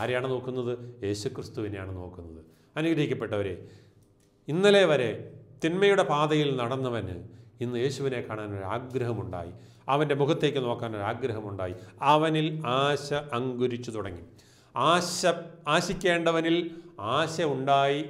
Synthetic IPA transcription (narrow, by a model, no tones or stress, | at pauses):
aːɾejaːɳɨno̞ːkːunːɐðɨje̞ːɕukrist̪uʋinejaːɳɨno̞ːkːunːɐðɨ | ɐnuɡɾɐɦikʲːɐpːe̞ʈːɐʋɐɾḛ | inːɐleʋɐɾe̞t̪inmɐjuɽe̞paːðɐjilnɐɽɐnːɐʋɐnɨ̰inːɨje̞ːɕuʋine̞kːaːɳaːno̞ɾaːɡɾɐɦɐmuɳɖa̰ːjḭ | ɐʋɐnde̞mukʰɐt̪ːe̞kʲːɨno̞ːkːaːno̞ɾaːɡɾɐɦɐmuɳɖa̰ːjiɐʋɐnilaːɕɐʔːŋɡuɾit͡ɕːut̪uɽɐŋːḭ | aːɕɐaːɕikʲːe̞ːɳɖɐʋɐnilaːɕɐuɳɖaːji